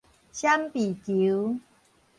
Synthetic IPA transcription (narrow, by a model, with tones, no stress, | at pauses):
ɕja˦mpi˨˩ki˨˦w